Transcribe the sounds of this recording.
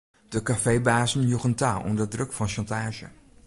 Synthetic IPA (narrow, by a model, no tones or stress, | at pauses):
d̥əkafejbaːzənjuχəntaːɔ̰mdədrɵkfɑnʃɑntaːʒə̰